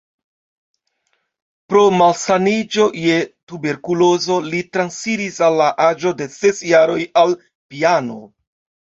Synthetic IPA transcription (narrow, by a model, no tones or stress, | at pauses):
pɾo̞malsanid͡ʒo̞je̞tube̞ɾkulo̞zo̞litɾansfiɾisalːaʔad͡ʒo̞de̞se̞sjaɾo̞jal | piano̞̰